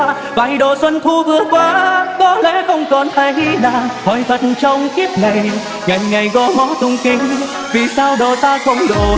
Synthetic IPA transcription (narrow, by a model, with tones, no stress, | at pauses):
vaː˨˩jɗo˧˨˩swə˧nk̪ʰu˧vɨ˧˦ək̚kwaː˧kɔ˨˦lɛ̰˧˥xə˧wŋ͡mkɔ˨˩nhaː˧˩jʔi˧˥laː˨˩hɔ˨˩jvə˨˩t̚nt͡ɕɔ˧wŋ͡mki˦˥əp̚ŋa˨˩j | ŋa˨˩jŋŋa˨˩jɣɔ˨˧˦mɔ˨˧˦t̪ʊ˧˩wŋ͡mkï˧˦ŋ̟ | vi˨˩saː˧wɗo˨˩t̪aː˧xə˧wŋ͡mɗo̰˨˩